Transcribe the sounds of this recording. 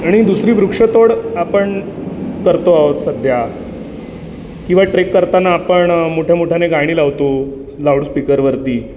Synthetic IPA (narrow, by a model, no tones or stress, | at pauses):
aɽ̃id̪usɾiːbɾukʂət̪oɽapəɳkəɾt̪oaot̪səd̪ʱja | kĩw̃ʋaʈɾekːəɾt̪anaːpəɳmoʈʰjamoʈʰjaneɡaɽ̃iːlaʋt̪o | lawɽspikəɾʋəɾt̪iː